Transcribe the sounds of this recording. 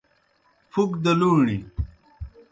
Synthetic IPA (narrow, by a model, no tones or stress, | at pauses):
fukd̪ɐluːɳḭ